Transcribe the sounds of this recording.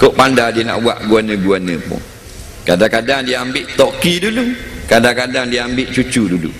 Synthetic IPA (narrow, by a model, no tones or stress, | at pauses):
koʔpandadiəna̰ʔbua̰ʔɡuanə̃ɡuanə̰pʊ̰ŋ | kadaŋkadaŋdiəambɪʔt̪ɔkidulukadakadaŋdiəambɪʔt͡ʃut͡ʃudulṵ